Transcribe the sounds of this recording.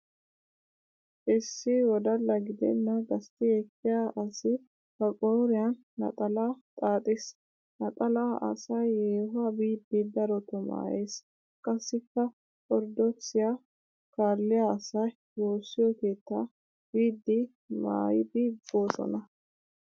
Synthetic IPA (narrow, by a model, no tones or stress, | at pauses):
ʔɪsːɪwɔd̪ɐlːɐɡɪd̪ɛ̰nːɐɡɐst̪ɪɛkːɪjaːʔɐsɪ | kɐkʼoːɾɪjɐnːɐ̰t̪ʼɐlaːt̪ʼaːt̪ʼɪs | nɐt̪ʼɐlaːʔɐ̰sɐjeːhʊaːbiːd̪ːid̪ɐɾɔt̪ʊma̰ːjeːs | kʼɐsːɪkːɐ | ɔɾd̪ɔt͡sːɪja | kaːlɪjaːɐsɐj | woːsːɪjɔke̞ːt̪ːaː | b̥iːd̪ːi | ma̰ːjɪbiːboːsɔ̰nɐ